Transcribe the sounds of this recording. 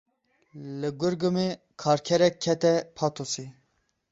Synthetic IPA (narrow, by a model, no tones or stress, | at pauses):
lɨɡʊɾɡɨme | kʰɑːɾkʰɛɾɛkʰːɛt̪ɛpʰɑːt̪osi